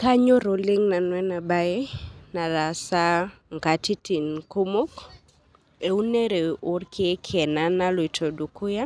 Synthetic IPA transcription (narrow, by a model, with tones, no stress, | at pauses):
ka˦ɲo˦ɾo˨lɪ˦ŋna˨nwɛ˦na˨ba˦je˦na˨la˨sa˦ | ŋɡa˨ti˦ti˨nku˦mo˦k | e˨u˦ne˦ɾe˨ʊ˨˦rkʰɪ˦kʰɛ˨na˦na˦lɔ˨i˨tʰo˨du˨kʊ˦ja˦